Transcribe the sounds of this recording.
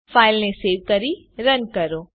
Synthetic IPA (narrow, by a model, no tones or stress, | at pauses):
faːɪlneseːʋkəɾi | ɾənkəɾoː